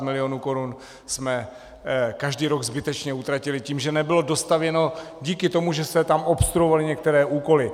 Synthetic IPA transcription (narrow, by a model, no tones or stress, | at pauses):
mɪlɪonuːko̞ɾun | smɛ | kaʒdiːɾoɡzbɪt̪ɛt͡ʃɲɛut̪ɾacɪlɪciːmʒɛnɛbɪlo̞do̞st̪avjɛno̞ɟiːkɪt̪o̞muʒɛsɛt̪amo̞pst̪ɾuovalɪɲɛk̚t̪ɛɾɛːʔuːko̞lɪ